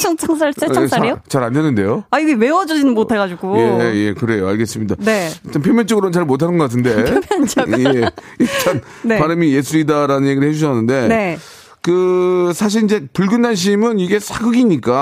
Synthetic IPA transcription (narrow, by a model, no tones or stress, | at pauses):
t͡ɕʰʌŋt͡ɕʰaŋsʰaɭ͈ʰes͈ʰaot͡ɕaɾandenːɯnde̞joaiɡewe̞wʌd͡ʑʌd͡ʑinɯnmotʰaɣad͡ʑuɡujeje̞kɯɾe̞joaɭɡe̞s͈ɯmɲidaeit͡ɕ͈anpʰjomjʌnt͡ɕ͈oɡɯɾonnt͡ɕaɭmotʰanɯnɡʌk͈atʰɯnde̞mʌnt͡ɕɡje | it͡ɕʰan | nepaɾɯmije̞sʰuɾidaɾanɯnje̞ɡiɾɭhe̞d͡ʑuɕʰʌnːɯnde̞ne̞ | kɯsʰaɕ̬ʰiɾind͡ʑe̞pɯɭɡunːanɕ̬ʰimɯniɡe̞sʰaɡɯɡiɲik͈a